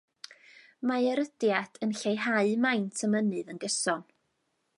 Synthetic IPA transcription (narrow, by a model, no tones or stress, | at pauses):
maɛɾəd̥jadʰənɬejɦaɨmajntʰəmənɨðənɡəsɔn